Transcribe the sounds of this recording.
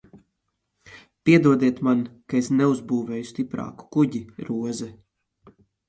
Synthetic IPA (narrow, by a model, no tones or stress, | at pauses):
pʲiɛd̪uɔd̪iɛt̪mankaesneuzbuːvɛːjust̪ipɾa̰ːku̥kuɟiɾuɔzɛ